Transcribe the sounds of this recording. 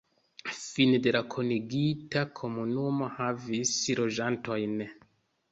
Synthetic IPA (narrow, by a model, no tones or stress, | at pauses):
findelakʰoniɡitakʰo̞munumo̞havislo̞ʒanto̞jn